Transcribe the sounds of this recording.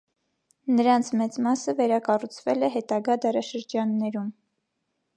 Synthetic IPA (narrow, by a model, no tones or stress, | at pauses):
nəɾɑnt͡sʰmɛt͡smɑsəvɛɾɑkɑrut͡sʰvɛlɛɦɛt̪ɑɡɑd̪ɑɾɑʃəɾd͡ʒɑnːɛɾum